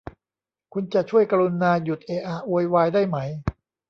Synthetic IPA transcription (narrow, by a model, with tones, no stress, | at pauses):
kʰu˧nt͡ɕa˨˩ʔt͡ɕʰu˥˩əjka˧ɾu˧nːaː˧ju˨˩t̪̚ʔeː˧ʔaː˧˩wu˧jwaː˧jdaː˥˩jma˦j